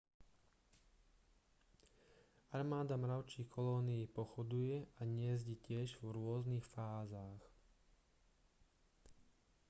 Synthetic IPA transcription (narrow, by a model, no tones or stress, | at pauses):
aɾmaːd̪amɾaʊt͡ʃikʰɔlɔːniːpɔxɔd̪ujɛʔaɲɪɛzɟɛcɪɛʒvɾʊɔznixfaːzaːx